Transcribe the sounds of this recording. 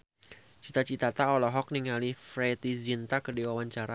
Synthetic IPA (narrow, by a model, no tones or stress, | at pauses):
t͡ʃit̪at͡ʃit̪at̪aɔlɔɦɔk̚niŋalifɾet̪izint̪akədiwawaɲt͡ʃaɾa